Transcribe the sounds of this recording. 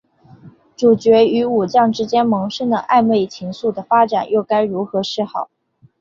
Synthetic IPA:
ʈ͡ʂu˨˩t͡ɕɥɛ˧˥y˧˥u˨˩t͡ɕjɑ˥˩ŋʈ͡ʂɻ̩˥t͡ɕjɛ˥nmɤ˧˥ŋʂə˥˩nd̪ə˩ʔa̰˥˧ɪme˥˩ɪt͡ɕʰi˧˥ŋsu˥˩d̪ə˩fa˥ʈ͡ʂa˨˩njo˥˩ʊka˥ɪɻu˧˥xɤ˧˥ʂɻ̩˥˧xɑ˨˩˦ʊ

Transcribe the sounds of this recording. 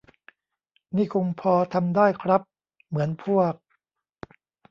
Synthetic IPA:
niː˥˩kʰo˧ŋpʰɔː˧t̪ʰa˧mdaː˥˩jkʰɾa˦˥p̚ | mɯ˩˦ənpʰu˥˩ək̚

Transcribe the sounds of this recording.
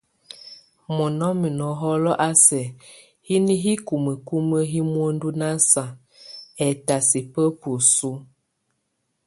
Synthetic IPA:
mɔ˨nɔ˦mi˨nɔ˨ɦɔ˦lɔ˦ʔa˦sɛ˨ | hi˦ni˦ɦi˦ku˨mə˨ku˦mə˦ɦi˦mwo˦n˦du˦na˦sa˨ | ɛ˨ta˨si˨pə˦pu˨su˦

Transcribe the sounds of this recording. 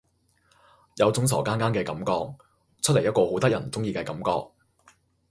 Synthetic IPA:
jɐ˨˧wt͡sʊ˨˥ŋsɔ̰ː˨˩kaː˥nkaː˥nkɛː˧kɐ˨˧˥mkɔː˧k̚ | t͡ʃʰt̚ljɐ˥t̚kɔː˧ho˨˥wt̪ɐ˥jɐ˨˩nt͡sʊ˥ŋjiː˧kɛː˧kɐ˨˥mkɔ̰ː˧k̚

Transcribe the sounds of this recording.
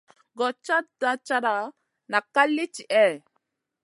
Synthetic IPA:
ɡɔ˨t͡ʃːa˦da˦t͡ʃːa˦ɾa˨ | na˨kːa˦lːi˦t͡ʃi˨ʔɛ˦˨

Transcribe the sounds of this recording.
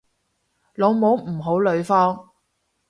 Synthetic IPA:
lo˨˧wmo˨˧˥wm̩˨˩ɦo˨˥wlɵ˨˧ɥfɔː˥ŋ

